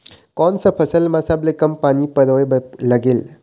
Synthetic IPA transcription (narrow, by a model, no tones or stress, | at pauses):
kɔnsɐpʰɐsɐlmasablekɐmpanipɐɾojbɐlɐɡil